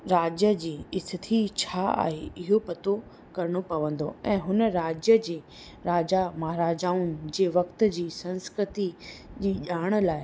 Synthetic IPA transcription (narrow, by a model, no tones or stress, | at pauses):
ɾaːd͡ʑjəd͡ʑiːɪst̪ʰɪt̪ʰit͡ɕʰaːa̰ːɦeɪɦopɐt̪o | kɐɾɪɽ̃opɐʋə̃nd̪o̰ɛ̃ːɦʊnəɾaːd͡ʑjəd͡ʑeː | ɾaːd͡ʑamaːɦɾaːd͡ʑaːʊnɪ̆d͡ʑeːʋɐkt̪̆d͡ʑiːsɐ̃nskɾɪt̪id͡ʑiːʄaːɽ̃̆laːɪ